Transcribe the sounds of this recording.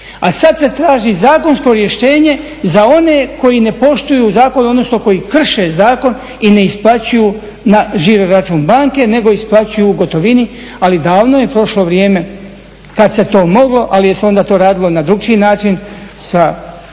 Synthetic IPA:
asad̪se̞t̪ɾaːʒizaːko̞nsko̞ɾje̞ʃt̪e̞ːɲe̞ | zao̞ne̞ko̞jine̞po̞ʃt̪ujuːzaːko̞nuod̪no̞snoko̞jikr̩ʃe̞zaːko̞n | ine̞isplˠat͡ɕuju | naʒiɾoɾat͡ʃuːnbaːŋke̞ne̞ɡo̞isplˠat͡ɕujuːɡo̞t̪o̞ʋini | alid̪aːʋnojepɾo̞ʃlo̞ʋɾjeːme̞ | kad̪se̞t̪o̞ːmo̞ɡlˠo̞ʔalije̞seo̞nd̪aːt̪o̞ːɾaːd̪ilo̞nad̪ɾuɡ̚t͡ʃinaːt͡ʃinsa

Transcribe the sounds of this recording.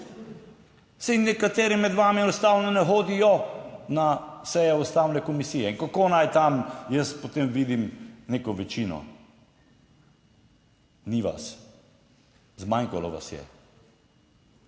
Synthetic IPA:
sɛnɛkat̪eːɾimɛd̪ʋaːmiɛnɔst̪awnɔnɛxoːd̪ijɔnasɛjɛust̪awnɛkɔmisiːjɛiŋkakonajt̪amjəspot̪emʋiːd̪imneːkɔʋɛt͡ʃiːnɔ̰ | niʋa̰s | zmaŋkalɔ̰ʋa̰sjɛ̰

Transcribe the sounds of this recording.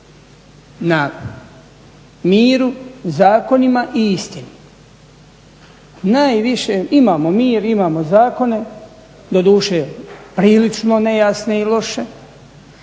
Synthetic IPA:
na | miːɾuzaːko̞nimaʔiist̪inu | najʋiʃe̞imaːmo̞miːɾimaːmozaːko̞ne̞ | d̪o̞d̪uːʃe̞pɾiːlit͡ʃno̞ne̞jasne̞ilo̞ʃe̞

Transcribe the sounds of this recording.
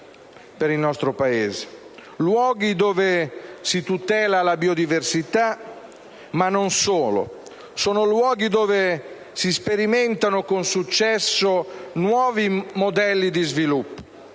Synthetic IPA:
peɾilnɔst̪ɾopaeːze | lwɔːɡid̪oːvesit̪ut̪ɛːlalabiod̪iversit̪a | manːonsoːlo̰ | soːnolwɔːɡid̪oːve | sispeɾimɛnt̪anokonsut͡ʃːɛsːonwɔːvimod̪ɛlːid̪izvilupːo̥

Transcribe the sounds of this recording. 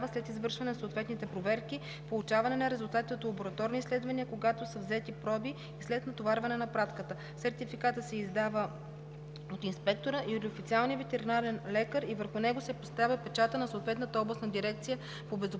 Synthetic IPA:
vəslɛt̪izvɤɾʃvɐnɛnɐsoːt̪vɛt̪nit̪ɛpɾovɛɾki | polˠut͡ʃavɐnɛnɐɾɛzʊlˠt̪at̪it̪ɛot̪lˠɐboɾɐt̪ɔɾnislɛd̪vɐniəkoɡat̪osəvzɛt̪ipɾɔbiːslɛt̪nɐt̪ovaɾvɐnɛnɐpɾat̪kət̪ə | sɛɾt̪ifikat̪əsɛizd̪avə | ot̪inspɛk̚t̪oɾəʔiot̪ofit̪sialˠnijəvɛt̪ɛɾinaɾɛnlɛkəɾivəɾxʊnɛɡosɛpost̪avʲjɐpɛt͡ʃat̪ənɐsoːt̪vɛt̪nət̪əɔblˠɐsnɐd̪iɾɛkt̪sijə | pobɛzo

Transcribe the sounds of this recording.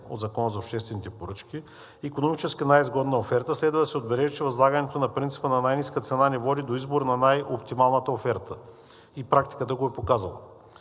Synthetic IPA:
o̰d̪zɐkɔnəzɐopʃt̪ɛst̪vɛnit̪ɛpoɾɤt͡ʃki | ikonomit͡ʃɛskənajizɡɔd̪nəofɛɾt̪əslɛd̪vəd̪ɐsɛod̪bɛlɛʒit͡ʃɛvɐzlˠaɡənɛt̪onɐpɾint̪si̥pənɐnajniskət̪sɛnanɛvɔd̪id̪oizboɾnɐnajopt̪imalˠnət̪əofɛɾt̪ə | ipɾak̚t̪i̥kət̪əɡoɛpokazɐlˠə̰

